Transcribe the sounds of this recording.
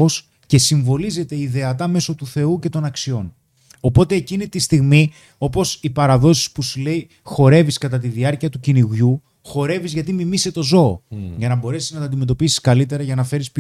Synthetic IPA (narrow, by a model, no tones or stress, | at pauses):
os | ce̞siɱvo̞lize̞t̪e̞iðe̞ɐt̪ɐme̞so̞t̪uθe̞uce̞t̪o̞nɐksio̞n | o̞po̞t̪eːcinit̪ist̪iɣmi | o̞po̞sipɐɾɐðo̞si̥spusule̞i | xo̞ɾe̞viskɐt̪ɐt̪̬iðiɐɾciɐt̪uciniɣʝu | xo̞ɾe̞vizʝɐt̪̬imimise̞t̪o̞zo̞̰ːʝɐnɐbo̞ɾe̞siznɐt̪ɐnd̪ime̞t̪o̞pisi̥skɐlit̪e̞ɾɐʝɐnɐfe̞ɾisp